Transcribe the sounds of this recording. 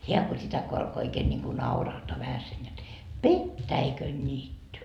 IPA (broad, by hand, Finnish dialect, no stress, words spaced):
heæ ko sitæ ko ɑlko oikeːn nʲiŋku nɑurɑhtoɑ ʋæhæsen jot petːæikønːiːtːy